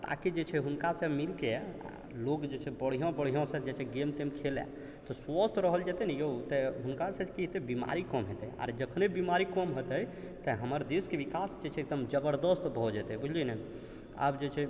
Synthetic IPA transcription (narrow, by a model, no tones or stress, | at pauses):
ʈa̰kid͡ʒet͡ʃʰɛɦunkasə̃milkea̰ | lokd͡ʒet͡ʃʰɛbəɽ̤ijõbəɽ̤ijɔ̃sə̃d͡ʒet͡ʃʰɛɡemt̪emkʰelɛ̰ | t̪ɔsʋəst̪ʰɾəɦəld͡ʒɛt̪ɛnɛjout̪ɛɦunkasẽkiɦet̪ɛbima̰ɾikɔmɦet̪ɛja̰ɾd͡ʒəkʰnebimaɾikɔmɦot̪əj | t̪əɦəməɾd̪eskebikasd͡ʒet͡ʃʰɛːk̚d̪əmd͡ʒəbəɾd̪əst̪bʱɔd͡ʒɛt̪ɛbud͡ʒʱlinɛ | a̰bd͡ʒet͡ʃʰɛ